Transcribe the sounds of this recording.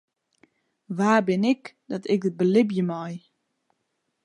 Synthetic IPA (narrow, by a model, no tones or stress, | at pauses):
ʋaːbɪnɪkdɔtʰɛk̚dət̚bəlɪbjəmɔj